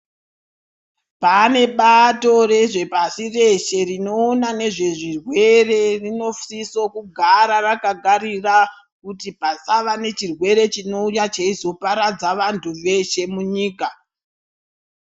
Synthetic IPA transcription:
pane̞ɓato̞re̞ʐe̞pasire̞ʃe̞rino̞ːnane̞ʐe̞ʐirwe̞re̞rino̞fsisokuɡʱaɾarakaɡʱarira | kutipasaʋane̞t͡ʃirwe̞ɾe̞t͡ʃino̞ujat͡ʃeizo̞paɾad͡zaʋantʰuʋe̞ʃe̞muɲiːka

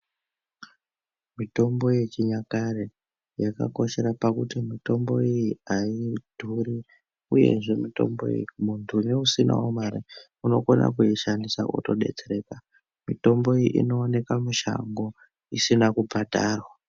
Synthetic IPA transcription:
mito̞mbo̞jet͡ʃiɲakaɾe | jaka̰ko̞ʃe̞ɾapakutimito̞mbo̞ijiaid̥ʱuri | uje̞̰ʐe̞mito̞̰mbo̰ḭjimuntʰuneusina̰omaɾḭ | uno̞kona̰kuiʃandisakṵto̞ɗe̞̰t͡seɾe̞ːka | mito̞mbo̞ijiʔḭno̞ːne̞kamuʃa̰ŋɡo̞ | isinakubʱadʱaːrwa

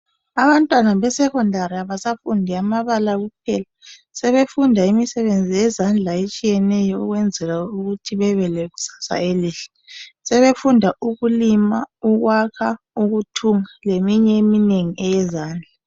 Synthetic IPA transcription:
aβantʼwanaβɛsɛkɔndʱaɾiaβasafundʱiamaβalaɣup̚ʰɛ̰la | sɛβefundʱaimisɛβend͡zʱijɛzand͡ɮʱaet͡ʃʼijɛnɛjɔuɣwɛnd͡zʱɛɣauɣutʰiβɛβɛleɣu̥sḁsa̰eliːɬɛ̥ | sɛβefundʱaʔuɣulimauɣwakʰa | uɣutʰuŋalemiɲɛemineŋiʔɛjɛzaːnd͡ɮʱa

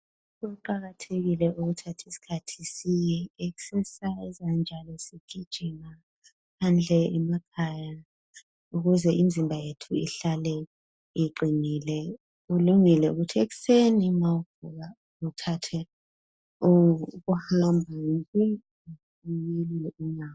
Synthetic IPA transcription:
ɛǃaɣatʰeɣilɛuɣutʰatʰisi̥kʰatʰisijɛeɣu̥sɛsaɛzand͡ʒʱalɔseɡ̥ʱid̥ʒ̥ʱima | pʰand͡ɮʱɛɛmakʰaja | uɣuzɛʔind͡zʱimbʱajetʰuḭɬalɛ | iǃʱinilɛ | uluŋilɛṵɣutʰieɣu̥senimauɡ̥ʱuɣa | utʰatʰɛ | uɣuhambʱaimpʼi | ijelilɛunaw

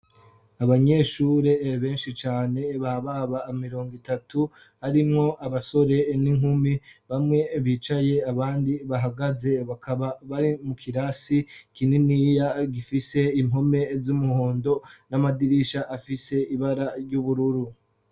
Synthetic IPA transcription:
aβaɲe̞ːʃuːɾe̞βe̞ːnʃit͡ʃaːne̞βaβaβaːmiɾo̞ːŋɡitatʰu | haɾimŋo̞ʔaβaso̞ɾe̞niŋhumiβamŋe̞βiːt͡ʃaje̞aβaːndiβaɦaɡaze̞βakʰaβaβaɾimukʰiɾasikininiːjaɡifise̞imɦo̞me̞zumuhho̞ːndo̞namadiɾiʃaʔafise̞iβaɾaɾɟuβuɾuɾu

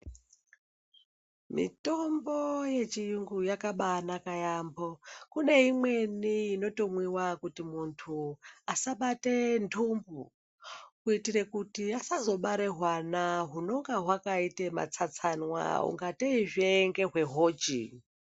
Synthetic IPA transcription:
mḭto̞mboje̞t͡ʃijuŋɡujakaɓanakajambokune̞imwe̞niino̞to̞mwiwakutimuntʰuasaɓate̞ndʰumbu | kuitire̞kutiasazo̞ɓaɾe̞ɦwanaɦuno̞ŋɡaɦwakaitema̰t͡sat͡sanwa̰ṵŋɡateiʐeŋɡe̞ɦwe̞ɦo̞ːd͡ʒḭ

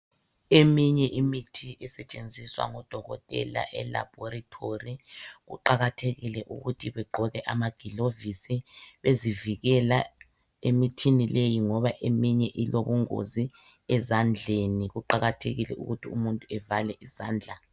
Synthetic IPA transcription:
emiɲɛʔimitʰiʔɛsɛt͡ʃʼend͡zʱiswa̰ŋɔd̥ʱɔɣɔtʼɛ̰la̰ʔɛla̰b̥ʱɔritʰoriɣṵǃaɣatʰeɣilɛʔṵɣutʰiβɛɡ͡ǃʱɔɣɛʔamaɡ̥ʱilovisiβeziviɣɛla | emitʰinilejiŋɔβaʔemiɲɛʔiloβuŋo̰zi | ɛzand͡ɮʱeniɣuǃaɣatʰeɣilɛʔṵɣutʰiumuntʼuɛvalɛʔiz̥aːnd͡ɮʱa

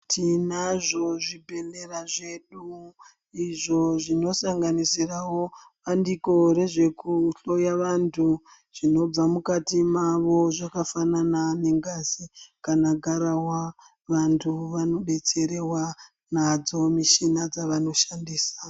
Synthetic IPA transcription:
tʰinaʐo̞ʐibʱe̞neɾaʐe̞ɗu | iʐo̞ʐino̞saŋɡanisirawo̞ | ʋandiko̞ɾe̞ʐe̞kuɬo̞jaʋantʰu | ʐ̥ino̞b͡vamukatimaʋo̞ʐakafananane̞ŋɡazikanaɡʱaɾawa | ʋantʰuʋano̞ɓe̞t͡se̞ɾe̞wa | nad͡zo̞miʃinad͡zaʋano̞ʃandiːsḁ

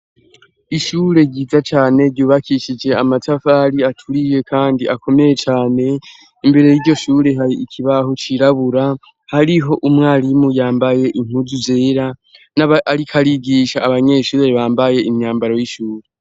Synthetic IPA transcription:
iʃuːɾe̞ɟiːzat͡ʃaːne̞ɾɟuːβakʰiʃid͡ʒe̞amatafaɾiatʰuɾije̞kʰaːndiako̞me̞je̞t͡ʃaːne̞ | imbe̞ɾe̞jiɾɟo̞ʃuːɾe̞ɦaɾiikʰiβaɦo̞t͡ʃiɾaβuɾa | haɾiɦo̞ʔumŋaːɾimujaːmbaje̞ʔim̥uzuze̞ːɾa | naaɾikʰaɾiɡiːʃaːβaɲe̞ːʃuːɾeβaːmbaje̞imɲaːmbaɾo̞jiʃuːɾe

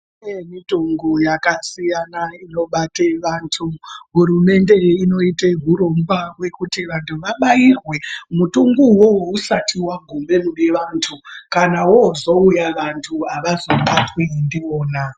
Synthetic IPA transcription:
nemitoŋɡojakasijanaino̞ɓateʋaːntʰuɦuɾume̞nde̞ino̞iteɦuɾo̞mbwawe̞kutiʋantʰuʋaɓajirwe̞mutuŋɡuwo̞wousatiwaɡʱumbe̞mune̞ʋantʰukanawozo̞ujaʋantʰuaʋazo̞ɓatwendio̞ːna

